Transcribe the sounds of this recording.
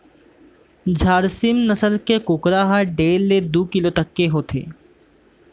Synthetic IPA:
d͡ʒʱaːɾsɪmnɐsəlkekʊːkɾaɦaɖeːlːed̪uːkɪlot̪ɐkːeɦoːt̪ʰḛː

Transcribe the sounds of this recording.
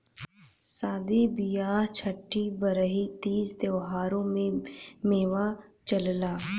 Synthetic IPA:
saːd̪ibijaːɦt͡ʃʰəʈːibəɾəɦit̪iːsd̪eʋɦaːɾõmẽmeːʋat͡ʃəllaː

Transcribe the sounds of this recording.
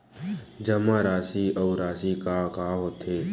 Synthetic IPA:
d͡ʒəmãɾaːsiːəwɾaːsiːkakaːɦot̪ʰeː

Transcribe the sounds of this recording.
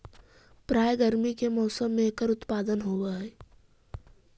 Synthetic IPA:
pɾaːjɡəɾmikemɔːsəmːẽkəɾʊt̪paːd̪ənɦoːwaɦɛː

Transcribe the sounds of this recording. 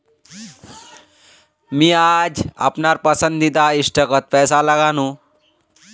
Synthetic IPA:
miad͡ʒə̰pnaɾpəsənd̪id̪aisʈəkət̪̚pɛːsaləɡaːnũ

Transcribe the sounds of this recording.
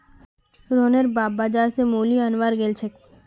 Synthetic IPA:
ɾoːnəɾbaːbːaːd͡ʒaːɾsemoːliənʋaːɾɡeːlt͡ʃʰek

